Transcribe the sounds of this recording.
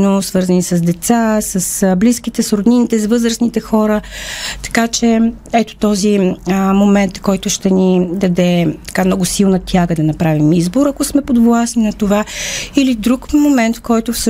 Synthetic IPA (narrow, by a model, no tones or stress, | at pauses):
nosvɤɾzənisɐzd̪ɛt̪sasəsbliskit̪ɛsɾod̪ninit̪ɛsvɤzɾəsnit̪ɛxɔɾət̪ɐ̥kat͡ʃɛ | ɛt̪o̥t̪ɔzimomɛnt̪kɔjt̪ʊʃt̪ɛnid̪ɐd̪ɛt̪ɐ̥kamnɔɡʊsilˠnət̪ʰʲaɡəd̪ɐnɐpɾavimizboɾɐkosmɛpod̪vlˠasninɐt̪ovailid̪ɾukmomɛnt̪kɔjt̪ʊfsə